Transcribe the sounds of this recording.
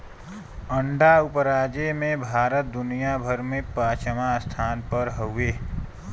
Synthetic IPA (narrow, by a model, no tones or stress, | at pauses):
əɳɖaʊpɾaːd͡ʒemẽbʱaːɾət̪̚d̪ʊnijabʱəɾmẽpaːt͡ʃʰəmast̪ʰaːnpəɾɦəweː